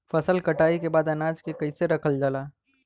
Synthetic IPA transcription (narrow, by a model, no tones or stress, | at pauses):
fɐsəlkɐʈaːikebaːd̪ɐnaːd͡ʒkekɐiseɾɐkʰəld͡ʒalaː